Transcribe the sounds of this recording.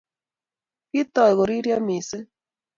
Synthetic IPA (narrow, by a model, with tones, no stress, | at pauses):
ki˦t̪ɔ˨i˨ɣo˨ɾi˦ɾja˦mi˨se˦